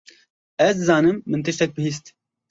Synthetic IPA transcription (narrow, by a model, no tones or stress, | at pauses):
ɛzd̪ɨzɑːnɨmːɨnt̪ɨʃt̪ɛk̚bɨhiːs̬t̪